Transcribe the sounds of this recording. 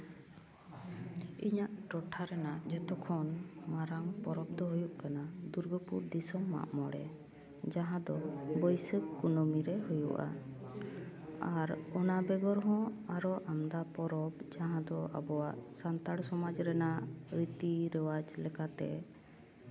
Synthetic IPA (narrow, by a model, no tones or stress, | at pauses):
iɲaʔʈɔʈʰaɾɛnaʔd͡ʒɛt̪ɔkʰɔnmaɾaŋpɔɾɔb̚d̪ɔɦujuʔkanad̪uɾɡəpuɾd̪isɔmːa̰ʔmɔɽɛ̰ | d͡ʒaɦãd̪ɔbəjsəbkunɔmiɾɛɦujṵʔa̰ | aɾɔnabɛɡɔɾɦɔ̃aɾɔʔamd̪apɔɾɔbd͡ʒaɦãd̪ɔa̰bɔwaʔsant̪aɽsɔmad͡ʒɾɛnaʔɾit̪iɾɛwad͡ʒlɛkat̪ɛ